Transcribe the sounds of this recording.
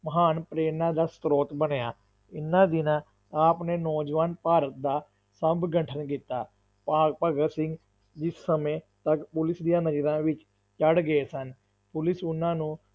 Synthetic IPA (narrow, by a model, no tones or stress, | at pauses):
məɦaːnpɾeːnãːd̪aːst̪ɾoːt̪bənjaː | ɪnːãːd̪ɪnãː | aːpneːnɔːd͡ʒʋaːnpaːɾət̪̚d̪aː | səbɡəɳʈʰənkit̪ːaː | paːpaːɡəsɪ̃ŋɡ | d͡ʒɪsːəmẽːt̪əkpʊlɪsd̪ijãːnəd͡ʒɾãːʋɪt͡ʃ | t͡ʃəɽɡeːsən | pʊlɪsʊnãːnũː